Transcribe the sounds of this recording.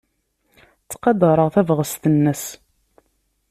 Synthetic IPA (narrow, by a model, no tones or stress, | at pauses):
t͡sːqɑd̪ɾˤəʁθævʁəst̪ənːəs